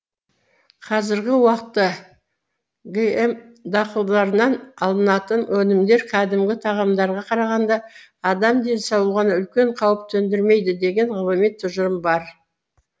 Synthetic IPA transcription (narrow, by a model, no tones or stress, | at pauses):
qʰɑzɪɾɡʲɪwɑqt̪ːə | ɡʲeemd̪ɑqəlˠd̪ɑɾənɑnɑlˠənɑt̪ənwɵnɪmd̪e̞ɾqʰæd̪ɪmɡʲɪt̪ʰɑʁɑmd̪ɑɾʁɑqʰɑɾɑʁɑnd̪ɑː | d̪ɑmd̪e̞nsɑwlˠʁɑnəʏlkʲe̞ɴqʰɑwəp̚t̪ʰɵnd̪ɪɾme̞jd̪ɪd̪e̞ɡʲe̞ɴʁʊlˠəmet̪ʰːʊʒəɾəmbɑɾ